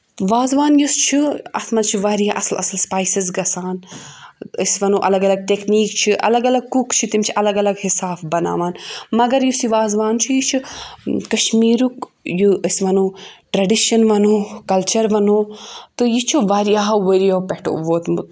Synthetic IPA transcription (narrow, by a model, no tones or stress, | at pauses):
ʋaːzʋaːnjust͡ʃʰiɐ̰t̪mɐt͡ʃʰiʋaːɾiaʔɐ̰slʔɐ̰sɐlspaːjsizɡɐsaːn | ɐsʋɐnuʔɐlɐɡɐlɐɡ̚ʈekniːk̚t͡ʃʰiʔɐ̰lɐɡɐlɐɡ̚kukt͡ʃʰit̪imt͡ʃʰiʔɐlɐɡɐlɐɡhisaːfbɐna̰ːʋaːnmɐɡɐɾjusiʋaːzʋaːnt͡ʃʰijit͡ʃʰukɐʃmiːɾukjuɐsʋɐnuːʈɾɐɖiʃɐnʋɐnoːkɐlt͡ʃɐɾʋɐnoːt̪ɨjit͡ʃʰuʋaːɾiaːɦɐʋɐɾijowpeʈo̰ʋoːt̪mu